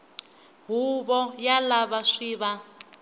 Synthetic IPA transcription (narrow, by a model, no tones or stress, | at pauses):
ɦuβɔjalaβaʂiːβa